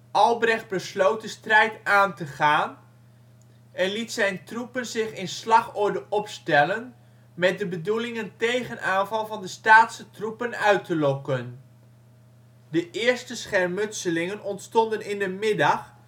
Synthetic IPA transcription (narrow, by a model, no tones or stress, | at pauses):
ʔɑlˠbrɛχt̚bəslowt̚dəstrɛjtaːntəχaːn | ɛnlitsɛjntrupənzɪχɪnslɑχɔɹdəʔɔpstɛlən | mɛt̚dəbədulɪŋəntejχənʔaːnvɑlˠvɑndəstaːtsətrupənœɥtəlɔkən | dəʔɪːɹstəsχɛrmɵtsəlɪŋənɔntstɔndənɪndəmɪdɑχ